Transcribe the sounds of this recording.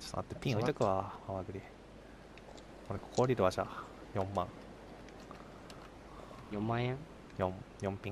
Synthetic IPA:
t͡ɕo̥̰ʔa̰t̪ːepʲĩojt̪okɯ̟βamaβaɡɯ̟ɾʲi | koɾekʰo̥koɾʲiɾɯβaʑa | jõmːãŋ | jõmmãẽŋ | jõmjõmpʲĩ

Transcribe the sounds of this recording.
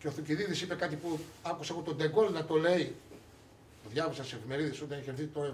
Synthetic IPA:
ceoθuciðiðisipe̞kɐt̪ipuɐkuseɣot̪o̞nd̪eɡo̞lnɐt̪o̞le̞i | t̪oðʝɐvɐsɐnssefime̞ɾiðe̞so̞t̪ɐneçeɾθit̪o̞ɾɐ

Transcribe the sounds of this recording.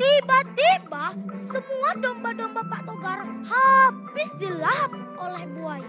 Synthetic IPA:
t̪ibad̪ibasəmuadɔmbadɔmbapaʔt̪okaɾhapbɪsdilap̚olɛhbuaj

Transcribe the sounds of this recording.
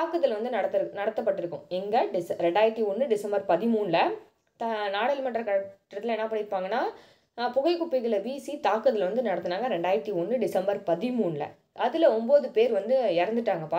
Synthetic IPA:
aːkːɐt̪ːɪlʋɐnd̪ɯnɐɽɐt̪ːnɐɽɐt̪ːɐpːɐʈːɪɾɯkːʊ̃ɛŋɡɐɖɪsɾɛɳɖaːjɪɾʈːiɔnːɯɖɪsɐmbɐɾpɐðɪmuːnlɐ | t̪naːɽɐlmɐʈːɾɐkɐʈːɾɐt̪ːɪlɛɳːɐpɐɽɪpːaːŋɡɐnːaː | pʊɣɐɪkːʊpːɪɣɐlɐbiːsit̪aːkːɐðɪlʋɐnd̪ɯnɐɽɐt̪ːɯnaːŋɡɐɾɛɳɖaːjɪɾʈːiɔnːɯɖɪsɐmbɐɾpɐðɪmuːnlɐ̰ | ʔɐðɯlɐɔmboːðɯpeːɾʋɐnd̪ɯɪɾɐnd̪ɯʈːaːŋɡɐpaː

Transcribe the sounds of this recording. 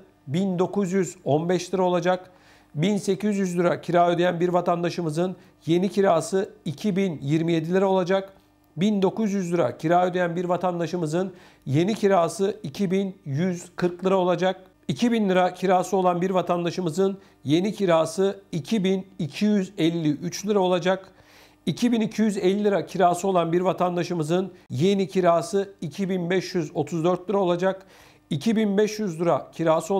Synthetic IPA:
bind̪o̞kuzjyzonbɛʃlʲˠɯɾao̞lˠad͡ʒak | binse̞cʰizjyzlʲˠɯɾacʰiɾaːød̪ejænbiɾvat̪ʰand̪aʃɯmɯzɯn | je̞nicʰiɾaːsɯicʰibinjiɾmije̞d̪ilʲiɾao̞lˠad͡ʒak | bind̪o̞kuzjyzlʲˠɯɾa̰cʰiɾaːød̪ejænbiɾvat̪ʰand̪aʃɯmɯzɯn | je̞nicʰiɾaːsɯicʰibinjyz̥kʰɯɾklˠɯɾao̞lˠad͡ʒak̚ | icʰibinlʲˠɯɾacʰiɾaːsɯo̞lˠanbiɾvat̪ʰand̪aʃɯmɯzɯn | je̞nicʰiɾaːsɯicʰibinicʰijyzɛlʲːiʔyt͡ʃlʲˠɯɾao̞lˠad͡ʒak | icʰibinicʰijyzɛlʲːilɯɾacʰiɾaːsɯo̞lˠanbiɾvat̪ʰand̪aʃɯmɯzɯnje̞nicʰiɾaːsɯicʰibinbɛʃjyzo̞t̪ʰuzd̪øɾt̪̚lʲˠɯɾao̞lˠad͡ʒak | icʰibinbɛʃjyzlˠɯɾacʰiɾaːsɯo

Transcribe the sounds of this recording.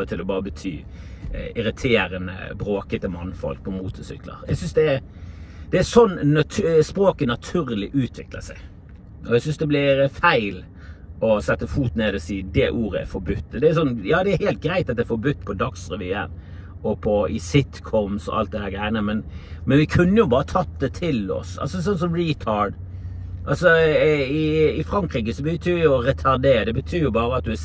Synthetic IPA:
ət̪ʰɪlɔbɑːɾəbət̪ʰyː | ɪɾɪt̪ʰeːɾənə̰bɾoːkət̪əmɑnːfɔ̰lk̚pʰɔmuːt̪əsʏ̰klə̰ɾɛ̰ɡsʏnsd̪ɛæ | d̪̥ɛæsɔnːɑt̪ʰspɾoːkənɑt̪ʰʉːɾlɪʔʉːt̪ʰʋɪklə̰sæɡ | ʔɔɛɪsʏnsd̪ɛblɪɾfæɪl | ɔsɛt̪ːəfuːt̪neːd̪əsiːd̪ɛʔuːɾəæ̰fɔɾbʉt̪ːd̪ɛæɾsɔnːjɑːd̪ɛæɾhæɪlt̪̚ɡɾæɪt̪ɑt̪̚d̪ɛfɔɾbʉt̪ːpʰɔd̪ɑksɾɛʋḭːə̰ɾ | ɔpʰɔɪsɪt̪kʰɔmsɔ̰ʔɑ̰lt̪̚d̪ɛhæːɾɡɾæɪənəmɛnmɛnʋɪkʰʉnːəjʊbɑːɾət̪ʰɑt̪̚d̪ɛt̪ʰɪlɔ̰sɑ̰lsɔs̬ɔnsɔmɹiːt̪ʰɑɖ | ʔɑlsɔɪɪfɾɑŋkɾiːkəsɔbət̪ʰyːjʊɔɾɛt̪ʰɑɾd̪eːəd̪ɛbət̪ʰyːɾjʊbɑːɾəɑt̪̚d̪ʉæ

